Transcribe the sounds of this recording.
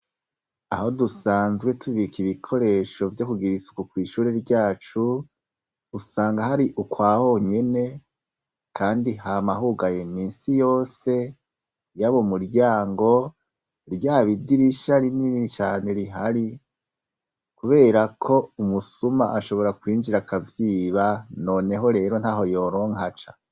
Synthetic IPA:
a̰ho̞dusaːnzɡwe̞tʰuβikiβikʰo̞ɾe̞ʃo̞vjo̞kuɡiɾisu̥kukwiːʃuːɾeɾɟaːt͡ʃuː | saːŋɡahaɾiʔukwaːho̞ɲe̞ne̞ | kʰaːndihamaɦuɡaje̞miːnsijo̞ːse̞ | jaβo̞muɾɟaːŋɡo̞ | ɾɟaːβidiɾiʃaɾininit͡ʃaːne̞ɾiɦaɾi | kuβe̞ːɾakʰo̞umusuma̰ʔaʃo̞βo̞ɾakwiːnd͡ʒiɾakavjiːβano̞ːne̞ɦo̞ɾe̞ːɾo̞n̥haːɦo̞jo̞ɾo̞ːŋhat͡ʃa

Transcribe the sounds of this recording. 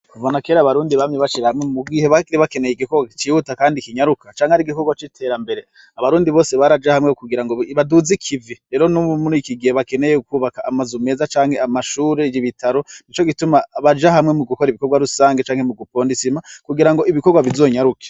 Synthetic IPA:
kuvonake̞ːɾaβaɾuːndiβamŋeβaʃiɾahamŋemuɡiheβaiβake̞ne̞jeɡikoɡwat͡ʃihutakaːndikiɲaɾukat͡ʃaːŋeaɾiɡiko̞ɡwat͡ʃitʰe̞ːɾambe̞ɾe̞ | aβaɾuːndiβo̞ːse̞βaɾad͡ʒahamŋekuɡiɾaŋɡoβaduzikʰiviɾe̞ːɾonumuɾikiɡiheβake̞nejekuːβakaamazume̞ːzat͡ʃaːŋhe̞amaʃuːɾed͡ʒiβitʰaɾo̞nit͡ʃo̞kitumaβad͡ʒaɦamŋe̞muɡuko̞ɾiβiko̞ɾɡwaɾusaːŋɡet͡ʃaːŋhemuɡupo̞ːndisimakuɡiɾaŋɡo̞iβiko̞ɾɡwaβizo̞ːɲaɾuke̥

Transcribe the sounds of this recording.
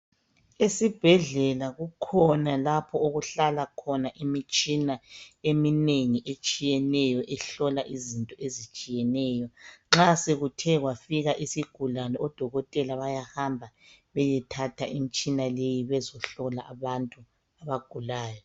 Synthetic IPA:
esib̥ʱɛɮɛlaɣukʰɔnalapʰɔoɣuɬalakʰɔnaʔimit͡ʃʼinaemineŋiʔet͡ʃʼijɛnɛjɔʔɛɬɔlaʔizintʼɔʔezit͡ʃʼijɛnɛːjɔŋ͡ǁaseɣutʰɛɣwafiɣaʔisiɡ̥ʱulalɔɔd̥ʱɔɣɔtʼɛlaβajahambʱa | βɛjɛtʰatʰaʔimit͡ʃʼinalejiβɛzɔɬɔlaʔaβantʼu | aβaɡ̥ʱulaːjɔ

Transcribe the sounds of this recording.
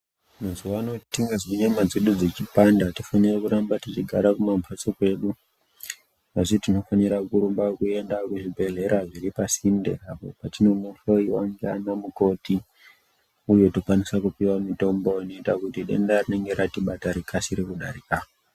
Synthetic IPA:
munzuwaːno̞tiŋɡazoɲamad͡ziɗud͡zet͡ʃipandati̥fanirekuɾambatit͡ʃiɡʱaɾakumampʰat͡sokwe̞ɗu | ʋaʐitino̞faniɾakuɾumbakue̞ndakuʐibʱe̞ɮe̞ɾaʐiɾipasindḛapo̞̰patino̞muɬoiwaŋɡea̰namuko̞ti | ujo̞tokwanisakupiwamito̞mboino̞itakutiɗḛndarine̞ŋɡe̞ɾatiɓataɾikʰasiɾekuɗa̰ɾikao

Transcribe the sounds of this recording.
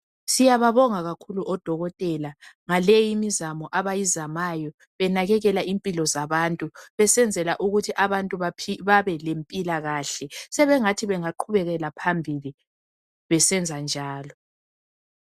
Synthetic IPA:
sijaβaβɔŋaɣakʰuluʔɔd̥ʱɔɣɔtʼɛlaŋalejimizamɔʔaβajizamajɔ | βɛnaɣɛɣɛlaʔimpʼilɔzaβantʼuβɛsɛnd͡zʱɛlaʔuɣutʰiʔaβantʼuβapʰiβaβɛlempʼilaɣaːɬɛsɛβɛŋatʰiβɛŋaǃʰuβɛɣɛlapʰambʱili | βɛsɛnd͡zʱand͡ʒʱaːlɔ

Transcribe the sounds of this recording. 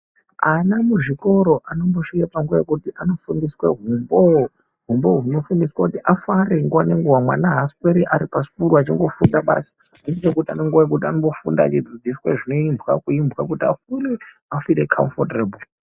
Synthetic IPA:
anamuʐiko̞ɾo̞ʔano̞mbo̞ʃikapaŋɡuajekutiʔano̞fundisweɦumbo | ɦumboɦuno̞fundiswakutiʔafaɾeŋɡuwaneŋɡuwamwa̰naɦaskweɾiʔaɾipasi̥puɾuat͡ʃiŋɡo̞fundaɓa̰sḁ | indit͡ʃekutianoŋɡuwajekutianombo̞fṵndaːt͡ʃid͡zid͡zisweʐino̞imbʱwakuimbɣak̬utia̰fule | afiɾekʰa̰ɱfotreːbul

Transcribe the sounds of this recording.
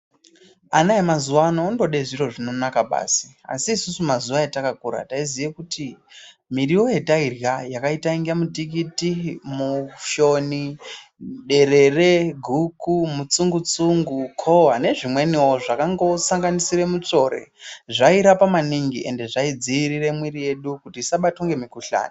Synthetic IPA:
anaemazuwanoundo̞ɗeʐiro̞ʐino̞nakaɓa̰ːsi̥a̰siːsusumazuʋaetakakuɾa̰taizijekuti | miriwo̞je̞tairjajakaitaiŋɡamutik̬itimuʃo̞ni | ɗe̞re̞re̞ɡʱukumut͡suŋɡut͡suŋɡukʰo̞wane̞ʐimwe̞niwoʐakaŋɡo̞saŋɡanisiɾe̞mut͡ʂo̞ɾe̞̰ʐaiɾapamaniŋɡiʔe̞nde̞ʐaid͡ziiɾire̞mwirije̞ɗukutiːsaɓatoŋɡe̞mikuɬa̰ːna

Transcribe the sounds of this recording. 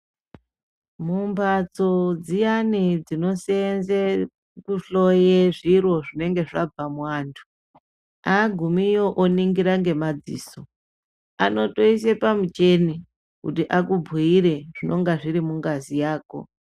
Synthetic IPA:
mumbat͡sod͡zijanid͡zino̞senze | kuɬo̞jeʐirwo̞ʐine̞ŋɡe̞ʐab͡vamwaːntʰu̥ | aɡʱumijoʔoniŋɡiɾaŋɡe̞mad͡zḭːso̞ | a̰no̞to̞is̬e̞pamut͡ʃe̞ni | kutiʔakub͡vʱiiɾe̞ʐ̥ino̞ŋɡaʐiɾimuŋɡazijaːko̞̰

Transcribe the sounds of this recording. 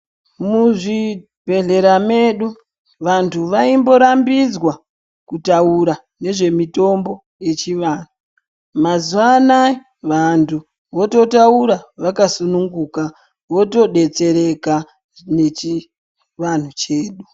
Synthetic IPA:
muʐi | b̥ʱe̞ɮe̞ɾame̞ɗu | ʋantʰuʋaimbo̞ɾambid͡zwa | kutauɾa | ne̞ʐe̞mito̞mbo̞ | je̞t͡ʃiʋan̤u | mazuwana | ʋantʰu | ʋo̞to̞tauɾaʋakasunuŋɡuːka | ʋo̞to̞ɗe̞t͡se̞ɾe̞ka | net͡ʃi | ʋan̤ut͡ʃe̞ːɗu

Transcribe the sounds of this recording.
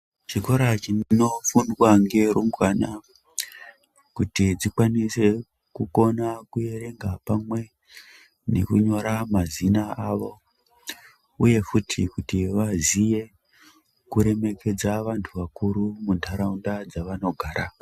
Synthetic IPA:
t͡ʃiko̞ɾat͡ʃino̞funwaŋɡe̞ɾumɡwana | kutid͡zikwanise̞ | kuko̞nakuje̞ɾe̞ŋɡapamwe̞ | ne̞̰kuɲo̞ɾamazinaaʋo̞ | uje̞futʰikutiʋazije̞ | kuɾe̞me̞kʰe̞d͡zaʋantʰuʋakuɾumundʰʱaɾaundad͡zaʋano̞ɡʱaːɾa

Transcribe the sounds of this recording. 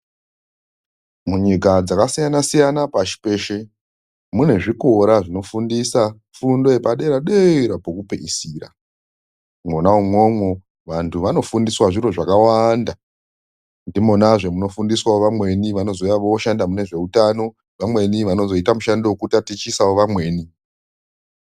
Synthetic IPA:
muɲikad͡zakasijanasijanapaʃi̥pe̞ʃe | mune̞ʐiko̞ɾaʐino̞fundisa | fundo̞jepaɗe̞ɾaɗeiɾapokupeisiːra̰ | monaumwo̞mwo̞ | ʋantʰuʋano̞fundiswaʐiɾo̞ʐakawanda | ndimonaʐemuno̞fundiswawoʋamwe̞niʋano̞zo̞jaʋoʃandamune̞ʐe̞utano̞ | ʋamwe̞niʋano̞zo̞itamuʃandewokutatit͡ʃisawoʋamwe̞ːni

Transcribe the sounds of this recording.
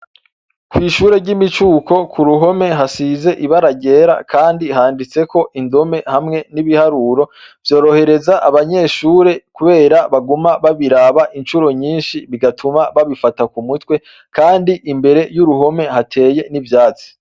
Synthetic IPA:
kwiːʃuːɾe̞ɾɟimit͡ʃuːko̞kʰuɾuɦo̞me̞ɦasize̞ʔiβaɾaɟe̞ːɾa̰kʰaːndiɦaːndit͡se̞ko̞ʔindo̞me̞hamŋe̞niβihaɾuɾo̞vjo̞ːɾo̞he̞ɾe̞zaʔaβaɲe̞ːʃuːɾe̞kuβe̞ːɾaβaɡumaβaβiɾaβaʔinʃuɾo̞ɲiːnʃiβiɡatʰumaβaβifatakumutwe̞ | kaːndiʔimbe̞ɾe̞juɾuɦo̞me̞hatʰe̞ːje̞nivjaːt͡si̥

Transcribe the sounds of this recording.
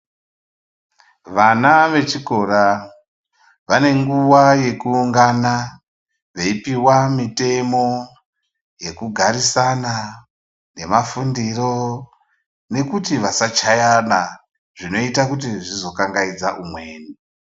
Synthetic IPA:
ʋanaʋe̞t͡ʃiko̞ɾa | ʋane̞ŋɡuwaje̞kuːŋɡana | ʋeipiwamite̞mo̞ | je̞kuɡʱaɾisana | ne̞mafundiro̞ | ne̞kutiʋasat͡ʃajana | ʐ̥ino̞itak̬ut̬iʐizo̞kaŋɡaid͡zaʔumwe̞ːni

